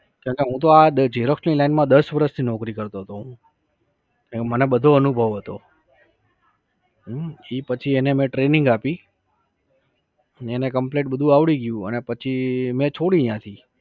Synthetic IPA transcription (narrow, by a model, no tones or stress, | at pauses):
kə̃ɳkeɦũt̪oad̪əd͡ʒeɾoksnilainmãd̪əsʋəɾəst̪ʰinɔkɾikəɾt̪oɦət̪oɦũ | mənebəd̪ʱoənubʱəʋɦət̪o | ipət͡ʃʰienemẽʈɾenɪŋɡapi | enekəmpleʈ̚bəd̪ʱũaʋɽiɡjũənepət͡ʃʰimẽt͡ʃʰoɽijãt̪ʰi